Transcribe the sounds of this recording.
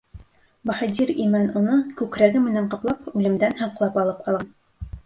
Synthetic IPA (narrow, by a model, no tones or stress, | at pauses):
bɑχɘ̆d̪ʲiɾimænunɤkʉkɾæɡɘmɘ̆næɴqɤ̆plˠɑpʉlɘ̆md̪ænhɤ̆ɴqlˠɑpɑlˠɤp̚qʰɑlˠʁɑn